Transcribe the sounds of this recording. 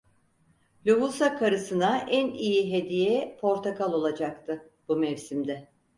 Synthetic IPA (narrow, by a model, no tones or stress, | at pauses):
lʲuɦusakʰaɾɯsɯnaʔænijiɦed̪ijɛpʰo̞ɾt̪ʰakalˠo̞lˠad͡ʒakt̪ʰɯ | b̥umɛvsimd̪ɛ